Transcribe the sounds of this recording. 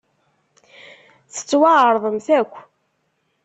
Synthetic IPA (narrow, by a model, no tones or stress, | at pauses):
θə̥t͡sːwaʕəɾˤðˤəmθækʷː